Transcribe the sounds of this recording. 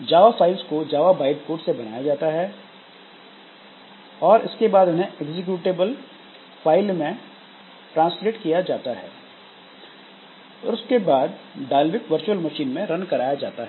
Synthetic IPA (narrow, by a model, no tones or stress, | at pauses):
d͡ʒaːʋafaːɪlskod͡ʒaːʋabaːɪbkoːʈsebɐna̰ːjad͡ʒaːt̪aɦɛ | ɔːɾʔɪskebaːd̪ʊnɦẽeɡzɪk̬juːʈeːbəl | faːɪlmẽ | ʈɾãːnsleːʈkijad͡ʒaːt̪aɦɛ̰ː | ɔ̰ːɾʊskebaːd̪ɖaːlʋɪkʋɐɾt͡ʃuəlmɐʃiːnmẽɾɐ̃nkɐɾaːjad͡ʒaːt̪aɦɛ